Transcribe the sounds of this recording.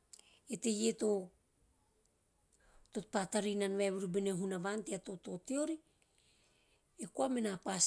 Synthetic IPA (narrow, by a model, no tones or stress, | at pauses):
e̞te̞je̞to̞ | to̞tpataɾinanβaβiɾubeneɦunaβanteato̞to̞teo̞ɾi | ekoamenapas